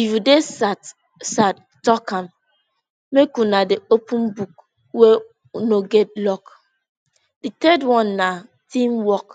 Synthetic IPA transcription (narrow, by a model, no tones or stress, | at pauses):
ifjudesat | sat | tɔkãm | mekunadeopʰũnbuk | we | unoɡɛt̚lɔk | ditɛdwɔ̃nːa | tʰĩmwɔk